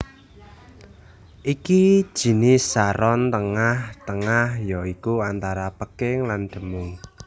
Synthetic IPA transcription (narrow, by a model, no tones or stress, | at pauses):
ʔikid̥ʒ̥i̤nɪsaɾɔnt̪əŋaht̪əŋahjɔikuant̪aɾapəkɪŋlanɖ̪̥ə̤mʊŋ